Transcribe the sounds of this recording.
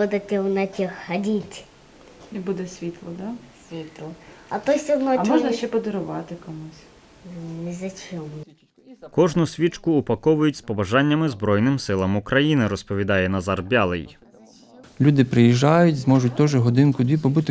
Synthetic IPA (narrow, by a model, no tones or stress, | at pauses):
ɔd̪ɐt̪ʲɛwnɐtʲixhɐdʲitʲ | ibud̪ɛsʲʋʲit̪lˠɔd̪ɑsʲʋʲit̪lˠɔɐt̪ɔsʲɔd̪nɔmɔʒnɐʃt͡ʃɛpɔd̪ɔɾʊʋɑt̪ɪkɔmusʲ | nizʲɐt͡ʃɔm | kɔʒnʊsʲʋʲit͡ʃkʊːpɐkɔʋʊjʊtʲspɔbɐʒɑnʲːɐmɪzbɾɔjnɪmsɪlˠɐmʊkɾɐjinɪɾɔspɔʋʲid̪ɑjɛnɐzɑrbʲɑlˠɪ̰j | lʲud̪ɪpɾɪjiʒɑjʊtʲzmɔʒʊt̚ʲt̪ɔʒɛɦɔd̪ɪnkʊd̪ʋʲipɔbut̪ɪ